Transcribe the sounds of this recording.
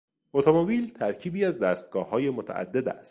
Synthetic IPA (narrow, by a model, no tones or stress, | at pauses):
ot̪ʰomobiːlt̪ʰæɾcʰiːbiːæzd̪æːst̪̚ɡɒːhɒːje̞mot̪ʰæ̰ʔæ̰d̪ːed̪æ̰st̪